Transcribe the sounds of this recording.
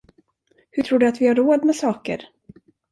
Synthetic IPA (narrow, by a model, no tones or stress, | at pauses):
hɵtʰɾuːɖɵat̪vɪhaɾoːd̪mɛsɑːkə̰ɾ